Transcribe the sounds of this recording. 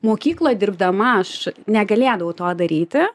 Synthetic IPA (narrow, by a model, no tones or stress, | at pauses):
moːkʲiːklˠoːjd̪ʲɪrb̚d̪ɐmɐɐʃnʲɛɡɐlʲeːd̪ɐʋʊt̪oːd̪ɐɾʲiːt̪ʲɪ